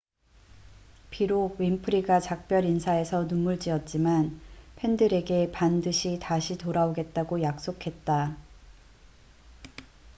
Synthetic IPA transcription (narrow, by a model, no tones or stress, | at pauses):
piɾoɡ̚wɥimpʰɯɾiɡat͡ɕak̚p͈jʌɾinsʰae̞sʰʌnumuɭt͡ɕiʌt̚t͡ɕ͈imanpʰe̞ndɯɾe̞ɡe̞pandɯɕʰitaɕʰitoɾaoɡe̞t̚t͈aɡojak̚s͈okʰe̞t̚t͈a